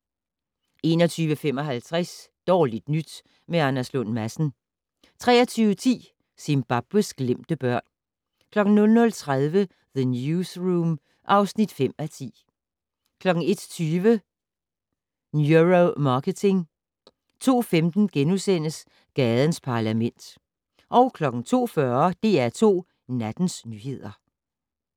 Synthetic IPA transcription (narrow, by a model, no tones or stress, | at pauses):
e̝ːnɒ̽t͡sʰyːʋəfem̰ɒ̽ɦælt͡sʰʁasd̥ɒ̰ːlid̥nyd̥ | meænæslɔnmæsn̩ | t͡sʰʁɛ̰ːɐt͡sʰyːʊət͡sʰḭː | sinb̥ɑ̈b̥əsɡ̥lem̰d̥əb̥ɶɐ̰n | kʰlɒ̽ɡ̥n̩nɔ̽lnɔ̽lt͡sʰʁaðˠʋə | ðənjusʁuːm | ʔɑ̈ʊsnid̥fem̰æt͡sʰḭː | kʰlɒ̽ɡ̥n̩e̝d̥t͡sʰyːʋə | njuʁomɑ̈ːkət͡sʰe̝ŋ | t͡sʰo̝̰ːfemd̥n̩ɡ̥enusen̰əs | ɡ̥ɛːðˠənspʰɑ̈læmen̰d̥ | ʔɒ̽ʊkʰlɒ̽ɡ̥n̩t͡sʰo̝̰ːfɶɐd̥e̝æɐt͡sʰo̝̰ː | næd̥n̩snyhe̝ð̞̰ˠɐ